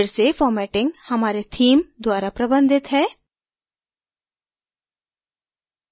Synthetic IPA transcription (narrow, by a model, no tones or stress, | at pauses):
ɾsefɔːɾmɛːʈɪ̃ŋɡhɐmaːɾet̪ʰiːmd̪waːɾapɾɐbə̃nd̪ɪt̪ɦɛː